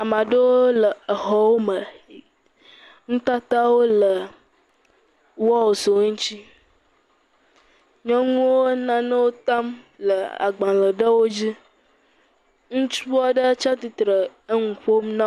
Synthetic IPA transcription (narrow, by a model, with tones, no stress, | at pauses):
a˨mã˨ɖə˦wo˦lə˨ə˨ɦɔ˨wo˦mə˨ | ŋũ˦t̪a˦t̪a˦wo˦lə˨ | wɔ˦wo˨so˨ŋũ˦t͡ɕi˦ | ɲɔ̃˦ŋũ˦wo˦nã˦nə̃˦wo˦t̪a˦mlə˨a̰˨ɡ͡bã˨lə˨ɖə˦wo˦d͡ʑi˦ | ŋũ˦t͡ʃu˦a˦ɖə˦t͡ʃa˦t̪i˨t̪ɾə˨ə˦ŋũ˨ɸo˦mnã˦